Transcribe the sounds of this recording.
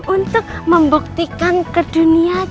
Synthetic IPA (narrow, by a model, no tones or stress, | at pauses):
unt̪ʊk̚məmbuk̚t̪ikankəd̥unia